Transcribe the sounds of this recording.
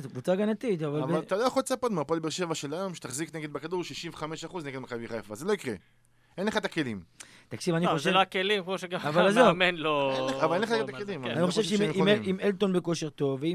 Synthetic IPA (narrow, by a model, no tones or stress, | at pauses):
zekvut͡saɡanat̪it̪avalavalt̪alojaχolt͡sapot̪mapolbeʁʃe̞vaʃelajo̞mʃe̥t̪aχzikneɡe̞d̪̚bakad̪uʁʃiʃimveχameʃaχuzneɡed̪makabiχajafa̰zelo̞ikʁe | enleχad̪akelimt̪akʃivaniavoʃloakelimkmoʃeɡaavalazomenloavalenleχaat̪aakelimaanixoʃevʃemimimelt̪o̞nbeko̞ʃe̞ʁt̪o̞vei